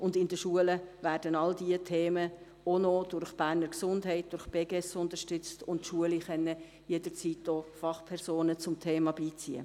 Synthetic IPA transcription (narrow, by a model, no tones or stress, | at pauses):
ʔʊndɪndəʃuələʋæːɾdənɑld̥iətʰeːmə | onod̥ʊɾχb̥æːɾnəɾksʊndɦɛɪt̚d̥ʊɾχb̥eːɡɛsʊntəʃtʏt͡stʊntʃuəliχɛnːə | jedəɾt͡siːt̚d̥ɔːfɑχpʰɛɾsoːnət͡sʊmtʰeːmɑbiːt͡siə̰